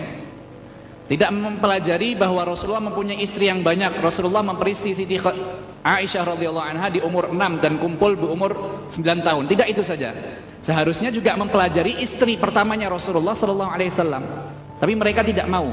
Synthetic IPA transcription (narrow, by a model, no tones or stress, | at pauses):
t̪idaʔməmpəlad͡ʒaɾibaɦwaɾɔsululːɑhməmpuɲaiist̪ɾijaŋbaɲak̚rɔsululːɑhməmpəɾist̪isidi | ʔaiʃahɾɔd̪ialːɑɦuanɦadiumʊrənamdankumpʊlbiumʊrsəmbilant̪aɦʊnt̪idakit̪usad͡ʒa̰ | səɦaɾʊsɲad͡ʒuɡaməmpəlad͡ʒaɾiʔist̪ɾipərt̪amaɲaɾɔsululːɑhsɔlɔlːɑɦualesalːam | t̪apiməɾekat̪idaʔmau